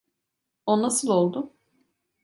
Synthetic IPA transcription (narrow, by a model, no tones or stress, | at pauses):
onnasɯlˠo̞lˠd̪ʊ